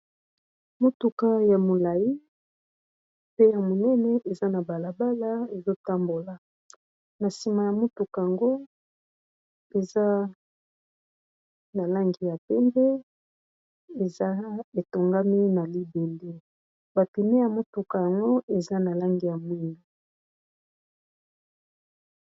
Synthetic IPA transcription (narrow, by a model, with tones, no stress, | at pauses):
mo˦tu˨ka˦ja˨mo˨la˨ji˦ | pe˦ja˨mo˨nɛ˦nɛ˦ʔe˨za˦na˨ba˨la˨ba˦la˦e˨zo˦ta˦mbo˨la˨ | na˨si˨ma˨ja˨mo˦tu˨ka˨a˨ŋɡo˦ | e˨za˦ | na˨la˦ŋɡi˨ja˨pɛ˦mbɛ˦ | e˨za˦e˨to˨ŋɡa˦mi˦na˨li˦be˨le˦ | ba˨pi˨me˦ja˨mo˦tu˨ka˨ja˨ŋɡo˦e˨za˦na˨la˦ŋɡi˨ja˨mwi˦nu˨